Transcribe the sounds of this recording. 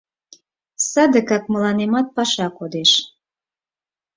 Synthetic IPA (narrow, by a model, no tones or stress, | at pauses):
sɑd̪əkɑk̚məlɑnemɑt̪̚pɑʃɑkod̪eʃ